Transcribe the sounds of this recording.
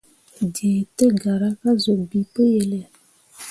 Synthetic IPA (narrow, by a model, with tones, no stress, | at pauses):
de˨tə˦ɡa˨ɾa˦ka˦zo˨bi˨pə˦je˨le˨